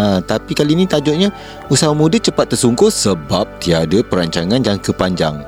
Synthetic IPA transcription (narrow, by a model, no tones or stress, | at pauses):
at̪apikalinit̪ad͡ʒoʔ̚ɲa | usawamũdət͡ʃəpat̪ːərsuŋkosəbap̚t̪iadəpəɾaɲt͡ʃaŋãnjaŋkəpaɲd͡ʒa̰ŋ